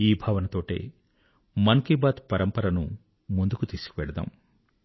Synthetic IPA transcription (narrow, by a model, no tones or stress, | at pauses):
iːbʱaːʋɐnɐt̪o̞ːʈḛː | mɐŋkibaːt̪pɐɾɐmpɐɾɐnṵ | mund̪ukut̪iːsu̥kiʋɛɽɐd̪a̰ːm